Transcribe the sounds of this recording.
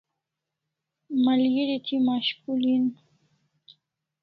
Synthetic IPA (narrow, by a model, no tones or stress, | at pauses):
malɡiɾit̪ʰimaʃkulin